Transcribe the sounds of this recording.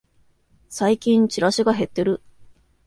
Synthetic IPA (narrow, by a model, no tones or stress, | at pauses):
saikʲĩɲ̟t͡ɕiɾaɕiɡaɦe̞t̪ːe̞ɾɯ̟